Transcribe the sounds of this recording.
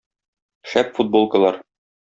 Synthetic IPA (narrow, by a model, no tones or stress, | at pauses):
ʃæpfud̪̚bolˠkɤ̆lˠɑɾ